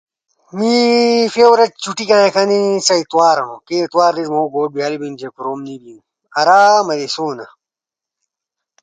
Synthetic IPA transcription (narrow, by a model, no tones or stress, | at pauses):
mifeːwɾɐt͡ɕt͡ɕuʈikãːẽkʰɐnisɐit̪waːɾɐnõkeit̪waːɾdizmoːɡoːʈ̚bijaːlibind͡ʑekuɾoːmniːbiju | ɐɾaːmɐd̪esoːnɐ̰